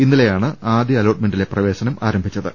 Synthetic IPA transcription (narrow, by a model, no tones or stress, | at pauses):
inːilejaːɳɨaːd̪jɐɐloːʈ̚me̞ɳɖile̞prɐʋe̞ːɕɐnɐma̰ːɾɐmbʱit͡ɕːɐðɨ